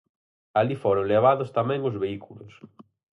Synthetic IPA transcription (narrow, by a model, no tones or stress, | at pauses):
alifoɾʊŋleβ̞aðʊst̪amɛ̃ŋʊzβeikulʊs